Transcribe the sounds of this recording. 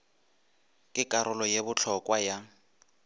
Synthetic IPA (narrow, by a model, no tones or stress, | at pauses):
kʼɪkʼaɾʊlɔjebʊt͡ɬʰɔkʼwaja